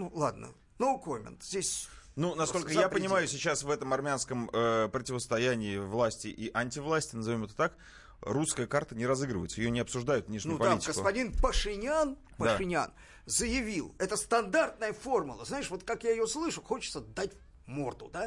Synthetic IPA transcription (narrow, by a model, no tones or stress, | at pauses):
nulˠa̰d̪nə̰ | nokomʲɪ̰nt̪z̥ʲdʲesʲnunɐskolʲkəjjappənʲɪmajʊsʲɪt͡ɕasvɛt̪əmɐrmʲɪanskəməpɾətʲɪvəst̪ɐjænʲɪːvlˠasʲtʲɪʔiʔanʲtʲɪvlˠasʲtʲɪnəzaɐvʲomɛt̪ət̪ak | ruskəjəkart̪ənʲɪɾɐzɨɡɾəvə̰ɪt̪səjɪjonʲɪɐpsʊʐd̪ajʊt̪vnʲeʂnʲʊupaalitʲɪɡəsk̪ʊpɐdʲinpəʂɨnʲɪan | pəd̪ʂaɨnʲa̰n | zəjɪvʲilˠɛt̪əst̪ɐnd̪art̪nəjəfo̞rmʊlˠəznaɪʂvo̞t̪kakjaɪjoslˠɨʂʊxo̞t͡ɕɪ̥t̪səd̪atʲ | mo̞̰rt̪ʊ̰d̪a